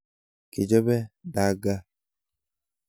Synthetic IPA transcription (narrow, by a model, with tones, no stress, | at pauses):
ke˨d͡ʒɔ˦bɛ˦da˨ɡa˦